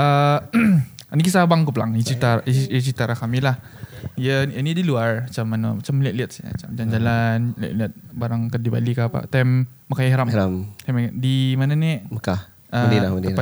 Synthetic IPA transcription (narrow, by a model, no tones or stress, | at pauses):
ə | anikisabaŋkəpəla̰ŋət͡ʃit̪aɾjət͡ʃit̪aɾakamilahijəənidiluarat͡ʃamːanə̰mat͡ʃamliəʔ̚liət̪̚smat͡ʃamad͡ʒand͡ʒalanla̰ʔliət̪̚baɾaŋkədiba̰likapa̰ʔt̪amː | akajaɦaɾamɾamt̪amdimananiʔməka | ədilaədipa